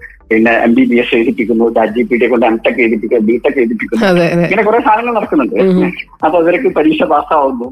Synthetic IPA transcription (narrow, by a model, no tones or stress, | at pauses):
pinːeemɖibieseːt̪ipːikʲːunːuɾaːd͡ʑipːiːʈiekːoɳɖɨemʈ̪ːɐkːet̪ipːikʲːunbiːʈːɐkːeːt̪ipːikʲːunːɐeŋːɐnekure̞ːst̪ʰaːlɐŋːɐɭnɐɽɐkːunːɐɳɖɨ | ɐpːoːiʋɐɾekːɨpɐɾiːɕɐbaːsɐaːʋunːu